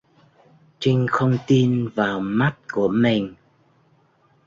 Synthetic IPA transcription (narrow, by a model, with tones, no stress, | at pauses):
t͡ɕi˧ŋ̟xə˧wŋ͡mt̪i˧nvaː˨˩wma˦˥t̚ku˧˩əmi˨˩ŋ̟